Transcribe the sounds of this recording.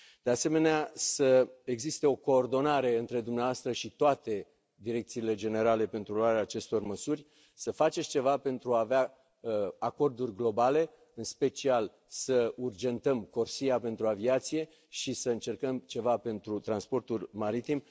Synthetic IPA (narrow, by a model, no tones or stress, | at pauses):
d̪̥e̞ase̞me̞neasəe̞ɡzist̪e̞o̞ko̞ːrd̪o̞naɾe̞ɨnt̪ɾe̞d̪umneavoast̪ɾəʃit̪oat̪e̞ | d̪iɾe̞k̚t̪siːle̞d͡ʒe̞ne̞ɾale̞pe̞nt̪ɾuloaɾeaːt͡ʃe̞st̪o̞rməsurʲ | səfat͡ʃe̞sʲt͡ʃe̞vape̞nt̪ɾuaːvea | ako̞rd̪urʲɡlo̞bale̞ | ɨnspe̞t͡ʃial | səurd͡ʒe̞nt̪əmko̞rsijape̞nt̪ɾuaviat̪sije̞ | ʃisəɨnt͡ʃe̞rkəmt͡ʃe̞vape̞nt̪ɾut̪ɾanspo̞rt̪ulʲmaɾit̪im